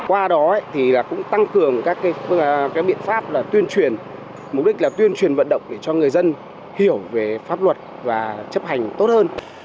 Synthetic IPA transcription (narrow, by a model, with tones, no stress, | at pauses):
kwaː˧ɗɔ˨˦ə˦jt̪ʰi˨˩laː˨˩kʊ̰˧˥ŋ͡mt̪a˧ŋkɨ˨˩əŋkaː˦˥kːaː˨˦jkaː˨˦jɓḭ˧˨ənfaː˦˥p̚laː˨˩t̪wi˧ənt͡ɕwi˨˩ən | mʊ˨˩k͡p̚ɗï˦˥k̟̚laː˨˩t̪wi˧ənt͡ɕwi˨˩ənvə̰˧˨nɗə̰˧˨wŋ͡mɗe˧˩t͡ɕɔ˧ŋɨ˨˩əjzə˧n | hi˧˩əwve˨˩faː˦˥p̚lwə˨˩t̚ | vaː˨˩t͡ɕə˦˥p̚ha˨˩jŋ̟t̪o˦˥t̚həː˧n